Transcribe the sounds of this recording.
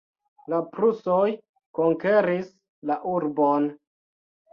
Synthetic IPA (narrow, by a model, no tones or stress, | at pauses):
lapɾusoj | koŋke̞ɾis | laʔuɾbon